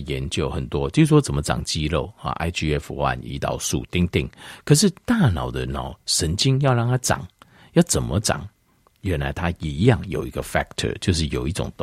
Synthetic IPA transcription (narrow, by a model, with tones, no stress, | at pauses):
jɛ˨˧˥nt͡ɕjo˧˩ʊxə˨˩nt̪wɔ˦t͡ɕjo˥˩˨wɔ˥t͡sə˨˩nmə˦ʈ͡ʂɑ̰˨˩ŋt͡ɕi˥lo˥˩ʊa̰˨ʔa̰˥ɪt͡ɕʰi˥˧ɛ˥fwa̰˥˩nḭ˧˥t̪ɑ̰˨˩ʊsu˥˩t̪i˥˧ŋt̪ḭ˥˩ŋkʰə˨˩ʂ̬ɻ̩˥˧t̪a˥˩nɑ˨˩ʊd̪ə˦nɑ˨˩ʊʂə˧˥nt͡ɕi˥ŋjɑ˥˧ʊlɑ˥˩ŋt̪ʰa˥ʈ͡ʂɑ̰˨˩˦ŋ | jɑ˥˩ʊt͡sə˨˩nmə˦ʈ͡ʂɑ̰˨˩˦ŋ | ɥɛ˧˥nla˧˥ɪt̪ʰa˥i˨˦jɑ˥˩ŋjo˨ʊi˧˦˥ɡə˧fɛ˥k̚t̪ʰə̰˨˩t͡ɕjo˥˧ʊʂ̬ɻ̩˥˩jo˨˩ʊi˥˩ʈ͡ʂʊ̰˨˩ŋt̪ʊ˨